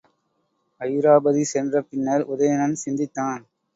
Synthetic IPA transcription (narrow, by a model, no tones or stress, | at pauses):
ɐjɾaːbɐðisɛndrɐpːɪnːɐɾʊðɐjɐnɐnsɪnd̪ɪt̪ːaːn